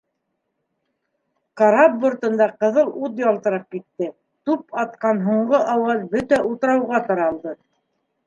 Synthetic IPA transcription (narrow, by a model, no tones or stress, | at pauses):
kɑɾabbŏɾt̪ɤ̆nd̪ɑqɤ̆ðɤlˠut̪jɒlˠt̪ɤ̆ɾɑp̚kit̪ːɘ | t̪up̚ɑt̪̚qɑnɦuɴɢɤʔɑwɤzbɵt̪æʔulˠt̪ɤ̆ɾɑwʁɑt̪ɑɾɑlˠd̪ɤ